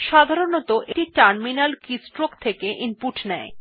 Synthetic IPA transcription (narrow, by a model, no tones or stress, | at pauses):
ʃad̪ʱaɾonot̪oʔeʈiɾʈaɾminalkisʈɾokt̪ʰekeʔinpuʈnɛe